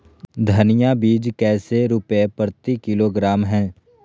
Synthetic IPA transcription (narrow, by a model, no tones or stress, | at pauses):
d̪ʱənɪjabiːd͡ʒkɛːseɾʊpepəɾt̪ikɪloːɡɾaːmɦɛ̃ː